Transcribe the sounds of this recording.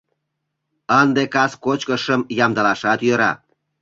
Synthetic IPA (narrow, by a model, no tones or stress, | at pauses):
ənd̪ekɑskot͡ɕkəʃəmjɑmd̪ɑlɑʃɑt̪jøɾɑ̰